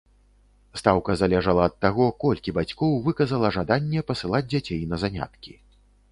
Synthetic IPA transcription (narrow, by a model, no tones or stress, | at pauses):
st̪awkɐzalʲɛʐɐlˠɐːt̪ːaɣɔkɔlʲkʲibat͡sʲkɔwvɨkɐzɐlˠɐʐad̪anʲːɛpɐsɨlˠad͡zʲd͡zʲat͡sʲejnɐzanʲa̰t̪kʲi